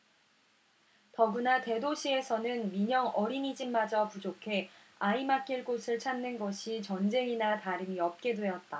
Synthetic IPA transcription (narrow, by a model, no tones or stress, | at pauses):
tʌɡunate̞doɕʰie̞sʰʌnɯnmiɲʌŋʌɾinid͡ʑimmːad͡ʑapud͡ʑokʰe̞ | aimak͈iɭk͈osʰɯɭt͡ɕʰannɯnɡʌɕʰit͡ɕʌnd͡ʑe̞inataɾɯmiʌp̚k͈e̞dwe̞jʌt̚t͈a